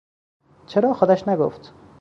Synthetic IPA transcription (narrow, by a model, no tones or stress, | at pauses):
t͡ʃʰeɾɒːxod̪æʃnaɡo̰ft̪